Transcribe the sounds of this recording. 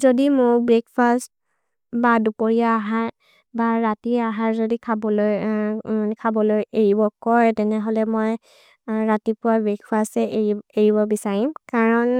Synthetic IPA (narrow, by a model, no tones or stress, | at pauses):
zodimʊɹbɹek̚past̚ | badupoɹiaːɦaɹ | baɹatiaɦaɹzodikʰabɔloj | kʰabɔlojeɹibɔkɔjtɛnɛɦolɛmoj | ɹatipʊwabɹekfastɛeieɹibɔbisaɹimkaɹɔn